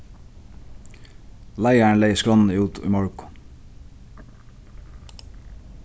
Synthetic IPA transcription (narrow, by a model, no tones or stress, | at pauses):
læɪəɳleɪskɹɔnn̩iuːt̪ʰḭːmɔɹkʊ̥